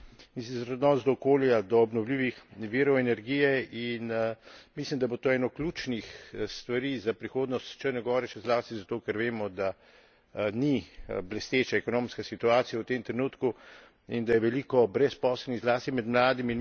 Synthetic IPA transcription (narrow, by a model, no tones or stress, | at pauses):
mis̬izɾɛd̪nɔːnzd̪ɔːkoːljad̪ɔːbnɔwliːʋixʋiːɾɔɛnɛɾɡiːjɛinmislimd̪abot̪oːɛːnɔklʲuːt͡ʃnixst̪ʋaɾiːzapɾixoːd̪nɔst̪t͡ʃəɾnɛɡɔːɾɛʃɛzlaːst̪izat̪oːkɛɾʋeːmɔd̪a | niblɛst̪eːt͡ʃaɛkɔnoːmskasit̪uaːt̪sijawt̪emt̪ɾɛnuːt̪ku | ind̪ajɛʋɛlikɔbɾɛspɔːsɛlniɣzlaːst̪imɛd̪mlaːd̪imin